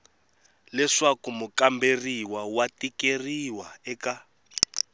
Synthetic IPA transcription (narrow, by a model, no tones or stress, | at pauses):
lɛʂakumukamberiwawatikeriwaɛka